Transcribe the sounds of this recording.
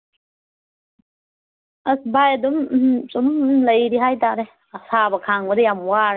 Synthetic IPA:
ɐsbajadumsumləjɾiɦajt̪aɾe | sabɐkʰaŋbədejamwaɾ

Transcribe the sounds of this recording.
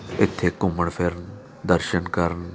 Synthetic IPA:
ɪt̪ʰːeːkʊməɳpʰɪɾn | d̪əɾʃənkəɾn

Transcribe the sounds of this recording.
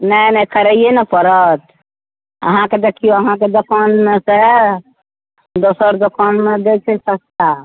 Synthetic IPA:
nəjnɛkəɾəijenɛpəɾət̪ | ə̰ɦãked̪ekʰijoəɦãked̪okʰənmese | d̪osəɾd̪okənmed̪et͡ʃʰɛsəkt̪a

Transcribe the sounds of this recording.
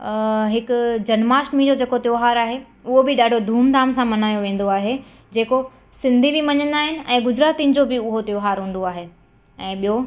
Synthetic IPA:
ɦɪkʊd͡ʑɐnmaːsʈmiːlod͡ʑeːkot̪joːɦaːɾaːɦe | ʊɦobɪɗaːɖʱod̪ʱuːmd̪ʱaːmsãmɐnaːjoʋẽːn̆d̪oaːɦe | d͡ʑeːko | sɪ̃nd̪ʱibɪmɐɲə̃nd̪aːɦɪnɪ̆ɛ̃ːɡʊd͡ʑɾaːt̪in̆d͡ʑobɪʊɦot̪joːɦaːɾɦũːn̆d̪oaːɦeː | ɛ̃ːɓijo

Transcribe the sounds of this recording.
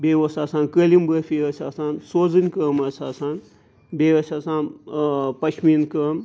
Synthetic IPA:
bʲeʋɐst̪ʰaːsaːnkəlimbəfʲiɐsaːsaːnsoːzɨnʲkəmɐsaːsaːn | beʋɐsʲaːsaːnpɐt͡ʃʰminkəm

